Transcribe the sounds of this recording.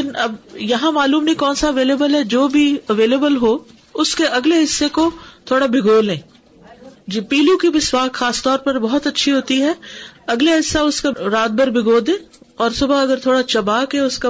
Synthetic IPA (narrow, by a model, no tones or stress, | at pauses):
ɪnɐbjɐɦãmaːluːmnĩkɔːnsaɐʋeːleːbəlɦɛd͡ʒoːbʱiɐʋeːleːbəlɦo | ʊskeɐɡleɦɪsːekot̪ʰoːɽabɪɡoːlẽː | d͡ʒpiːlũkibɪswaːkxaːst̪ɔːɾpɐɾbɔɦɔt̪ɐtːʃʰiɦoːt̪iɦɛːɐɡleɦɪsːaʊskaɾaːd̪̚bɐɾbʱɪɡoːd̪ẽːɔːɾsʊbaɐɡəɾt̪ʰoːɽat͡ʃɐbaːkɦɛʊska